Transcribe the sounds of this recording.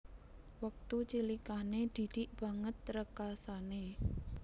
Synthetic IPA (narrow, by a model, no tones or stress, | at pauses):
wək̚t̪ut͡ʃilikaned̪̥i̤d̪̥iʔb̥ä̤ŋət̪ːɾəkasane